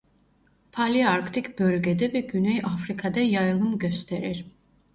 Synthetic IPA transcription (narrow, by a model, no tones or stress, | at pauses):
pʰaliaɾkʰt̪ʰikʰbɛɾɡɛd̪ɛvɛɡynɔiʔafɾikʰad̪ajajlˠumɡɛst̪ʰɛɾɛ̰ɾ